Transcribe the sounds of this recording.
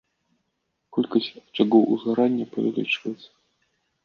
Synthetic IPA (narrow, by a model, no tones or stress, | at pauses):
kɔlʲkɐsʲt͡ʂaɡɔwʔuzɣaɾanʲːɐpɐvʲɛ̰lʲḭt͡ʂvɐjɛt̪sɐ̥